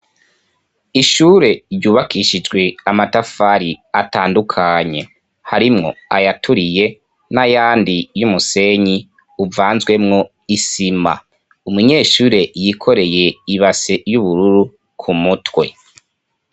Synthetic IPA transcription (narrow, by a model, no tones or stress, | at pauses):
iʃuːɾe̞ɾɟuːβakiʃid͡ʒɡwe̞amatafaɾiataːndukʰaɲe̞ | haɾimŋo̞̰ajatʰuɾije̞ | najaːndijumuse̞ɲi | uvaːnzɡwe̞mŋo̞ | isima̰ | umuɲe̞ːʃuːɾe̞jiːkʰo̞ɾe̞je̞iβasejuβuɾuɾu | kʰumutwe̞